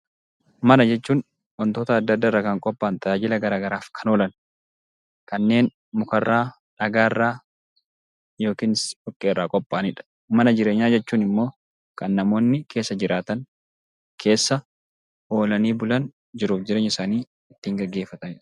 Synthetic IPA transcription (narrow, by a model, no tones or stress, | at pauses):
mɐnɐd͡ʒɛt͡ʃːuːn | wɐnt̪o̞ːt̪ɐːd̪ːɐd̪ːaːɪrːɐkɐŋkʼɔpʼːaːnt̪ɐaːd͡ʒɪlɐɡɐɾaːɡɐɾaːfkʰɐnoːlɐn | kɐnːe̞ːn | mʊkɐrːaː | ᶑɐɡaːɪrːaː | jo̞ːkiːnɪsɔkʼːeːrːaːkʼɔpʼːaːnɪᶑɐ̥ | mɐnɐd͡ʒɪɾe̞ːɲːaːd͡ʒɛt͡ʃːuːnɪmːo̞ː | kɐnːɐmo̞ːnːɪkʰe̞ːsːɐd͡ʒɪɾaːt̪ɐŋ | kʰe̞ːsːɐ | o̞ːlɐniːbʊlɐn | d͡ʒɪɾuːfd͡ʒɪɾeːɲːɪsaːniː | ɪt̪ːiːŋɡɐɡːe̞ːfːɐt̪ɐnɪᶑɐ̥